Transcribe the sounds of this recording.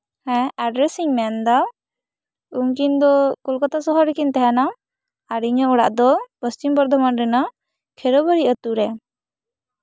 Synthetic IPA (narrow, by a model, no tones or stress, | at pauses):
hɛ̃aɖɾɛsiŋmɛnd̪aw | uŋkind̪ɔkulkɔt̪asɔɦɔɾɛkint̪ɛɦana | aɾiɲɔɔɽa̰ʔd̪ɔpəst͡ʃimbɔɾd̪ʱɔmanɾɛnɔ | kʰɛɾɔbəɾiʔət̪uɾɛ